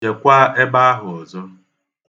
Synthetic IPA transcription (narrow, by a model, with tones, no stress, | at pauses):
e˨kʷa˦e˦ba˦a˦ɦʊ˨ɔ˨zɔ˦